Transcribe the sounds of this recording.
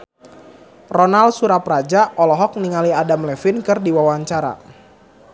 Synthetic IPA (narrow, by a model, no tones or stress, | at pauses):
rɔnalsuɾaprad͡ʒaʔɔlɔɦɔk̚niŋaliadamlɛfinkɨrdiwawaɲt͡ʃaɾa̰